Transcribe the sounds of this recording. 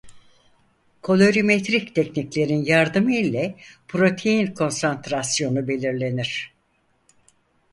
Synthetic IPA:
kʰo̞lʲo̞ɾimet̪ɾict̪ʰɛcniclʲe̞ɾinjaɾd̪ɯmɯilʲɛpʰɾo̞t̪ʰe̞jinkʰo̞nsant̪ɾasjo̞nube̞lʲiɾlʲe̞niɾ̥

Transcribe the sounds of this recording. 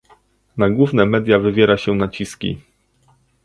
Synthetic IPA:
naɡwuvnɛmɛd̪ʲjavɘvʲjɛɾaɕɛnat͡ɕiskʲḭ

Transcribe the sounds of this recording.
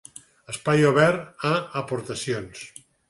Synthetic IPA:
əspajoβɛɾaəpoɾt̪əsions

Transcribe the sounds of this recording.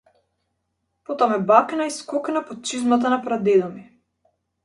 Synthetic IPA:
pot̪amɛbaknaiskɔknapɔt̪̚t͡ʃizmat̪anapɾad̪ɛd̪ɔmi

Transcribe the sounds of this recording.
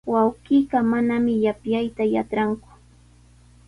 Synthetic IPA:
wawqiːɢɑmanamɪjapjajt̪aja̰ʈ͡ʂɾaŋkʊ̥

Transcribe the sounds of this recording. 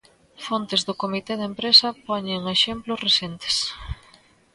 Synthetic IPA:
font̪ezðʊkomit̪eðempɾesɐpɔɲeŋeʃemplʊsresent̪e̥s

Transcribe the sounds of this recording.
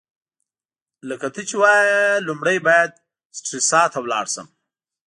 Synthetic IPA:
ləkat̪ʰit͡ʃiwɑjalumɽajbɑːjad̪̚ | sʈɾisɑːt̪ʰawlɑ̰ːɽsəm

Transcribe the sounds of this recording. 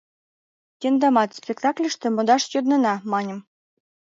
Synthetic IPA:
t̪ʲend̪ɑmɑt̪spʲek̚t̪ɑklʲə̆ʃt̪ĕmŏd̪ɑʃjod̪nɤ̆nɑmɑnʲɤ̆m

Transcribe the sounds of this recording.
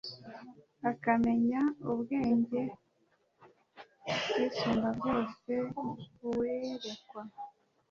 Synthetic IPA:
akame̞ɲauβɡe̞ːɲɟe̞ | bwiːsuːmbabɡo̞ːse̞ | weɾe̞kwa

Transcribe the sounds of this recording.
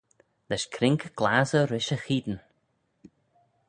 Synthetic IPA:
lɛʃkʰɾɪŋkɡ̥laːzəɾɪʃəxiːd̪n

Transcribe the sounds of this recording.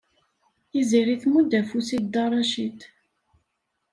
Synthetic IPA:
iziɾiθmud̪æfusid̪d̪ɑɾˤɑʃit̪

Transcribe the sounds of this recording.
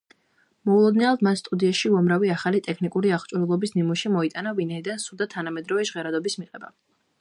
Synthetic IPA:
mɔulˠɔd̪nɛad̪mast̪ʼud̪iaʃiuamɾaviaχalit̪ʼɛkʰnikʼuɾiaʁt͡ʃʼuɾulˠɔbisnimuʃimɔit̪ʼanavinaid̪ansud̪at̪ʰanamɛd̪ɾɔvɛʒʁɛɾad̪ɔbismiqʼɛba

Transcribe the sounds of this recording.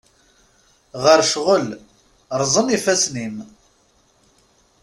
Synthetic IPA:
ʁəɾʃʁəl | ɾˤzˤənifæsnim

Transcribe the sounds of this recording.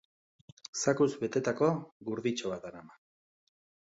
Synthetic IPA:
sakuzbe̞t̪e̞t̪ako̞ɣuɾðit͡ʃoβat̪anama

